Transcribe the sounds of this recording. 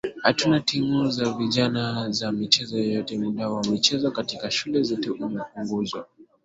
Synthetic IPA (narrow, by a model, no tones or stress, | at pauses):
hatunatimuzaviʄanazamit͡ʃɛzɔjɔjɔtɛmuɗawamit͡ʃɛzɔkatikaʃulɛzɔtɛʔumɛpuŋɡuzwa